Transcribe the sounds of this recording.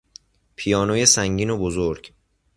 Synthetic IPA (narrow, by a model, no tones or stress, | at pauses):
pʰijɒːnoːjesæŋɟiːnobozoɾɟ̥